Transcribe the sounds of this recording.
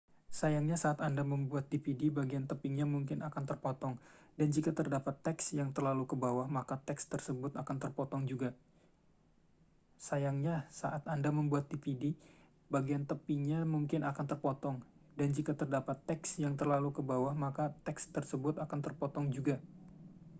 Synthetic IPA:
sajaŋɲasaːt̪andaməmbuat̪̚dipidibaɡiant̪əpiŋɲamuŋkɪnakant̪ərpɔt̪ɔŋdand͡ʒikat̪ərdapat̪ːɛksjaŋt̪ərlalukəbawahmakat̪ɛkst̪ərsəbʊt̪akant̪ərpɔt̪ɔŋd͡ʒuɡa | sajaŋɲasaʔat̪andaməmbuat̪̚dipidi | baɡiant̪əpiɲamuŋkɪnakant̪ərpɔt̪ɔŋ | dand͡ʒikat̪ərdapat̪ːɛksjaŋt̪ərlalukəbawahmakat̪ɛkst̪ərsəbʊt̪akant̪ərpɔt̪ɔŋd͡ʒuɡa

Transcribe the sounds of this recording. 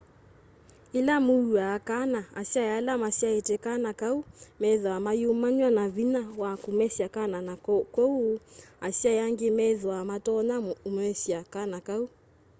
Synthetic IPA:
ilamuuakanaa̰ʃiajalamaʃiaɛtɛkanakaumɛðwamajumaɲwanaβinawakumɛʃiakananakɔuaʃiajaŋɡemɛðwamatɔnaumɛʃiakanakau

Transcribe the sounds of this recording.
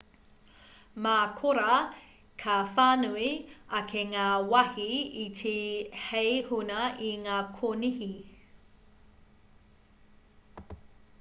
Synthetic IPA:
maːkʰoɾɐ | kʰɐfaːnuiɐkʰeŋaːwɐhiitʰehejhunɐʔiŋaːkʰonihi

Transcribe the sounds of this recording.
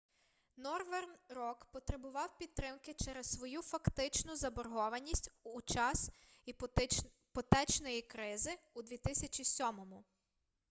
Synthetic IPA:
nɔrʋɛrnrɔkpɔt̪ɾebʊʋɑwpʲid̪̚t̪ɾɪmkɪt͡ʃɛɾɛssʋɔjufɐkt̪ɪt͡ʃnʊzɐbɔrɦɔʋɐnʲisʲtʲut͡ʃɑs | pɔt̪ɛt͡ʃnɔjikɾɪzɪud̪ʋʲit̪ɪsʲɐt͡ʃʲisʲɔmɔmʊ

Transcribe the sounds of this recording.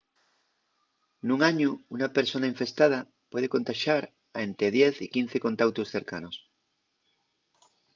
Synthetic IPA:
nũŋaɲuunape̞ɾso̞naiɱfe̞st̪að̞a | pwe̞ð̞e̞ko̞nt̪aʃaɾ | ae̞nt̪ɾeð̞je̞θikin̟θeko̞nt̪awt̪usθe̞ɾkanos

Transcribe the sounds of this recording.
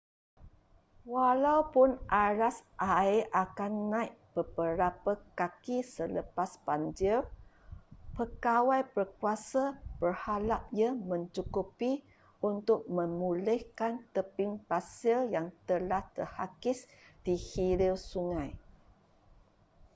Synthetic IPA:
walawpʊnʔaɾasʔaeʔakanːãjʔb̥əbəɾapəkakisələpasbaɲd͡ʒɪr | pəkawajbərkuasab̥ərhalaʔ̚jəmə̃ɲt͡ʃukupi | unt̪ʊk̚mə̃mulɪhkant̪əpɪŋpasɪljaŋt̪əlaht̪ərhakɪs | d̥ihiliwsuŋãj

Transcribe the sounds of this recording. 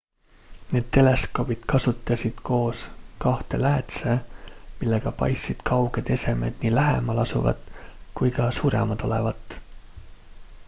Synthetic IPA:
ne̞ːd̪̚t̪ːe̞le̞sko̞b̥id̪̥kɑsut̪ːˑɑsʲid̪̥ko̞ːskɑht̪e̞læːt̪semilːe̞ɡ̥ɑpɑ̰jsid̪̥kʰɑwɡ̥e̞d̪̥e̞se̞me̞d̪̥niːlæɦḛmɑlɑsṵvɑ̰d̪kujkɑsuːɾḛmɑd̪̥o̞le̞̰vɑt̪ːˑ

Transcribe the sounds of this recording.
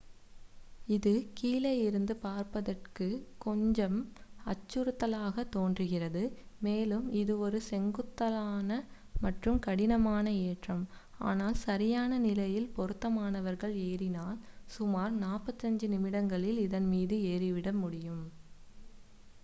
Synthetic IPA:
ɪðɯkiːlɐjɪɾɯnd̪ɯpaːɾpɐðɐrkɯkɔɲd͡ʒɐmɐt͡ʃːɯɾɯt̪ːɐlaːɣɐt̪ːoːndrɯɣɪrɐðɯmeːlɯmɪðɯɔɾɯsɛŋɡɯt̪ːɐlaːnɐ | mɐʈrɯmkɐɽɪnɐmaːnɐeːʈrɐm | a̰ːnaːlsɐɾɪjaːnɐnɪlɐjɪlpɔɾɯt̪ːɐmaːnɐʋɐɾɣɐɭeːɾɪnaːlsʊmaːɾnaːpːɐt̪ːɐɲd͡ʒɯnɪmɪɽɐŋɡɐɭɪlɪðɐnmiːðɯeːɾɪʋɪɽɐmʊɽɪjɯm

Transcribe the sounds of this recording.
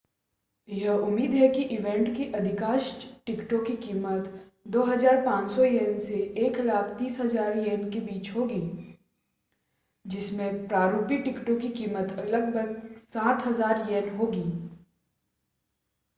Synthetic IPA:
jɐɦʊmːiːd̪ɦɛkiʔɪʋɛ̃ːɳʈkiʔɐd̪ʱɪkaːʃʈɪkʈõkikiːmət̪ | d̪oːɦɐzaːɾpãːt͡ʃsɔjeːnseeːklaːkʰt̪iːsɦɐzaːɾjeːnkebiːt͡ʃɦoːɡiː | d͡ʒɪsmẽpɾaːɾuːpiʈɪkʈõkikiːmət̪ɐləɡ̚bʱəɡsaːt̪ɦɐzaːɾjeːnɦoːɡiː

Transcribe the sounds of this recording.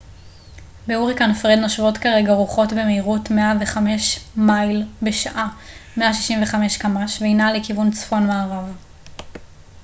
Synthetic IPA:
beuʁikanefʁed̪noʃvo̞tkaʁe̞ɡaʁuχo̞tbe̞meiʁutmeave̞χame̞ʃmajlbeʃaʔame̞aʃiʃimve̞χameʃkamaʃvejnalekivunt͡sfo̞nmaːʁav

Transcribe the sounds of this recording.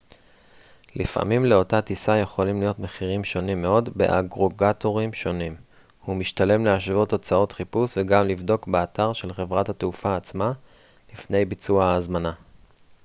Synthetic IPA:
lifʔa̰mimleo̞tat̪isaje̞χo̞limlijo̞t̪meχiʁimʃo̞nimːe̞o̞dbe̞̰ʔa̰ɡʁo̞ɡato̞ʁimʃo̞nim | humiʃtale̞mleaʃvo̞tot͡sao̞t̪χipusveɡamlivd̪o̞kbeat̪aʁʃe̞lχevʁathateufaːt͡sma | lifne̞jbit͡suaaːzmana

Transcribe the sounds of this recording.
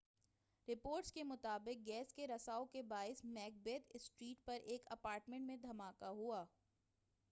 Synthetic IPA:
ɾɪpoːɾʈskemʊt̪aːbɪq̚ɡɛːskeɾɐsaːokebaːɪsmɛːk̚beːt̪sʈɾiːʈ̚pɐɾʔeːkɐpaːɾʈmẽɳʈmẽd̪ʱɐmaːkaɦuaː

